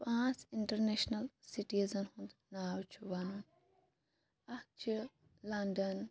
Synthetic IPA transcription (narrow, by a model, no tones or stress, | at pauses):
pãːsiɳʈɐɾneʃnɐlsiʈizɐnhũnd̪naːwt͡ʃʰuʋanun | ɐk̚t͡ʃʰi | lɐɳɖɐn